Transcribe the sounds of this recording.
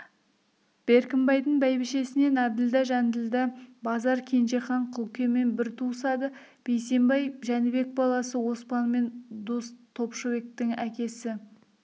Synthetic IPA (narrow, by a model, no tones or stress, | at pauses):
b̥e̞ɾkʲɪmbɑjd̪əɴbæjbɪʃe̞sɪne̞næbd̪ɪld̪æʒænd̪ɪld̪æbɑzɑɾkʲʰe̞nʒe̞χɑɴqʰəʊlˠkʲe̞me̞nbɪɾt̪ʰusɑd̪ə | b̥ejse̞mbɑjʒænɪbe̞k̚bɑlˠɑsəwo̞spɑnme̞nd̪ust̪ʰo̞pʃove̞k̚t̪ɪŋækʲe̞sɪ